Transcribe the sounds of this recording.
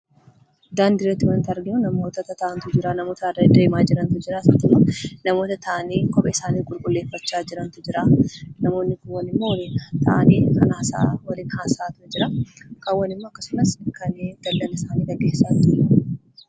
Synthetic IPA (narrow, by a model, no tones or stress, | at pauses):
d̪aːnd̪ɪrːɐt̪ːɪwɐnt̪ɐɾɡɪnʊnɐmo̞ːt̪ɐt̪ɐt̪ɐʔɐnt̪ʊd͡ʒɪɾanɐmo̞ːt̪ɐɐdɐd̪eːmaːd͡ʒɪɾɐnt̪ʊd͡ʒɪɾaːsɐt̪ːɪmːonɐmo̞ːt̪ɐt̪ɐʔɐniːkʼɔpʼɛɪsaːniːkʼʊlkʼʊlːe̞ːfːɐt͡ʃːaːd͡ʒɪɾɐnt̪ʊd͡ʒɪɾaːnɐmo̞ːnːɪkʊwːɐnɪmːowlit̪ʰɐ̰ʔaniːkɐnaːsɐ̰ʔwɐlɪnkaːnsɐʔaːt̪ʊɐd͡ʒɪɾɐkɐwːɐnɪmːo̞ːkːɐsʊmɐskɐnːd̪̥ɐlːɐlɐɪsaːniːɡɐɡeːsːaːnt̪ʊɐ